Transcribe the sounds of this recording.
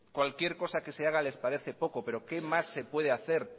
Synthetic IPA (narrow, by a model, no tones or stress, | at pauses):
kwalkje̞ɾko̞sake̞seaɣ̞ale̞spaɾe̞θe̞po̞ko̞pe̞ɾo̞ke̞masːe̞pwe̞ð̞eaθe̞ɾ